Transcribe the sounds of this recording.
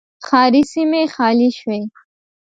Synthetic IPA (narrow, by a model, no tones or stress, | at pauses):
χɑːɾisimeχɑːliʃwej